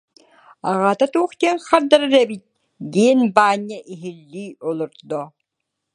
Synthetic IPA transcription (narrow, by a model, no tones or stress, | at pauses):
aʁaːt̪at̪uːχt̪iɛŋχaɾd̪aɾaɾɛbit̪̚ | d̪iːnbaːɲːɐʔiɦilːiːɔlˠuɾd̪ɔ